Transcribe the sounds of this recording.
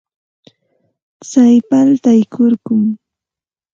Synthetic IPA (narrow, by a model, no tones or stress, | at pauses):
t͡sajpalt̪ajkʰoɾkʊm